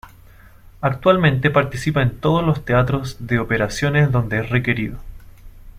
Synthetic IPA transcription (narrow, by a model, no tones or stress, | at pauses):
ak̚t̪walmẽnt̪e̞paɾt̪isipaent̪oð̞ozlo̞st̪e̞at̪ɾo̞zðe̞ope̞ɾasjo̞neszðo̞nd̪eesre̞ke̞ɾiðo